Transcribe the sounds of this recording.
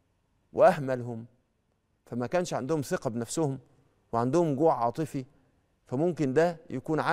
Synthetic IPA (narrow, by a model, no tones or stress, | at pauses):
wʔeʔæhmælhʊm | fæmækæːnʃʕand̪ʊhʊmseqɑbenæfsʊhʊm | weʕand̪ʊhʊmɡoːʕʕɑ̰ːt̪ˤɨfi | fæmʊmkɪnd̪æjʔækuːnʕa